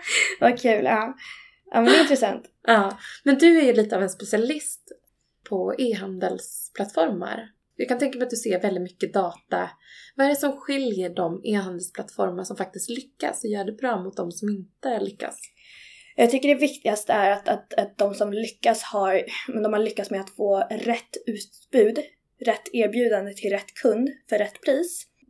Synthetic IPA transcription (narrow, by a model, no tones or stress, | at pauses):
vakʰʉ̟ːlɑː | ʔɑ̰ːmɛnɛɪnt̪ɾɛsant̪ | ʔɑːmɛnd̪ɵæɾjɵliːt̪əavɛnspɛsɪalɪst̪ | pʰɔeːɦand̪əlspʰlat̪fɔɾma̰ɾ | jɑːkʰant̪ɛŋkamɛat̪d̪ɵseːɾvɛld̪ɪt̪mʏkːəd̪ɑːt̪a̰vaɛɾɛsɔmɧɪljəɖɔmeːɦand̪ɛlsplat̪fɔ̰ɾmaʂɔmfak̚t̪ɪst̪lʏkːa̰sɔjœːɖɛbɾɑːmʊt̪̚d̪ɔmsɔmɪnt̪əlʏkːa̰s | jɑːɡt̪ʰʏkːəɖɛvɪkt̪ɪɡast̪əæɾat̪at̪at̪̚d̪ɔmsɔmlʏkːashaɾmɛnd̪ɔmhaɭʏkːat̪smɛat̪foːɾɛt̪ːʉ̟ːt̪ | b̥ʉ̟ːd̪ | ɾɛt̪ʰːeːɾbjʉ̟ːd̪and̪ət̪ʰɪlɾɛt̪ːkʰɵnd̪fœɾɛt̪ːpʰɾiːs